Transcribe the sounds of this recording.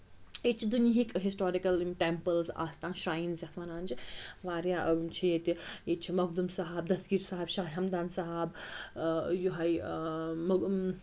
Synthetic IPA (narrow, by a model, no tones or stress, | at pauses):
et͡ʃʰid̪uniɦikɦisʈoːɾikɐlʈempəlza̰ːst̪aːnʃɾaːinzjɐt̪ʰʋanaːnd͡ʒiʋaːɾjat͡ʃʰijet̪iet͡ʃʰimɐɡ̚d̪umsɐɦab̚d̪ɐsɡiːɾsaɦɐbʃaːɦiɦɐmd̪aːnsɐɦab | juɦɐj | mɐ